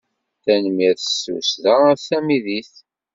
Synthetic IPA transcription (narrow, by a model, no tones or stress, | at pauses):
θænmiɾθəsṵsðəθæmiðiθ